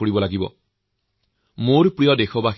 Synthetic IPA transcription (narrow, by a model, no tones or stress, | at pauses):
oɹibɔlaɡibɔ̰ | moɹpɹijɔdexɔbax